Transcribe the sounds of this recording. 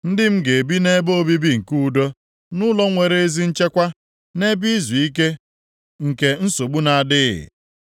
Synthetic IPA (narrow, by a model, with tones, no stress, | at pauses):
n̩˦dɪ˦m̩˦ɡe˨bi˦ne˦bo˦bi˦bi˦ŋ̩˨ku˦˨do˦ | nʊ˦lɔ˦ŋʷe˨ɾe˦e˦zi˦n̩˦t͡ʃe˦kʷa˦ | ne˦bi˦zu˨i˦k̬e˦ | ŋ̩˨ke˨n̩˦so˨ɡ͡bu˦na˨a˨dɪ˦ɪ̰˨